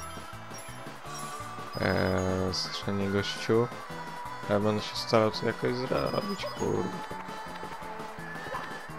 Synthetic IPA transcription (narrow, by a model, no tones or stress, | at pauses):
st̪ʂɛɲɛɡɔɕt͡ɕu | bɛnd̪ɕɛ̥st̪aɾawt̪ɔjakɔʑzɾɔɔbʲit͡ɕkʰṵɾd̪